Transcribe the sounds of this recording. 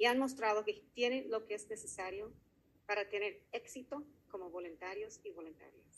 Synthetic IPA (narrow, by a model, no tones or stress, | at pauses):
ianmo̞s̬t̪ɾað̞oket̪je̞nelo̞keeznesesaɾjo̞ | paɾat̪ene̞ɾeksit̪oko̞moβo̞lunt̪aɾjosiβolunt̪a̰ɾjos